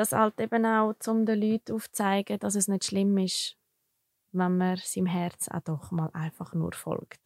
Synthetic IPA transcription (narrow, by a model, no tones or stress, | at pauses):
d̥ɑshɑ̰ltebənaʊt͡sʊmdəlyːtʰːuːft͡saɪɡəd̥ɑs̬ɛsnɪtʃlɪmɪʃ | vanməɾsimɦɛɾt͡sa̰d̥ɔχmɑːlʔa̰ɪfɑχnṵɾfɔ̰lkt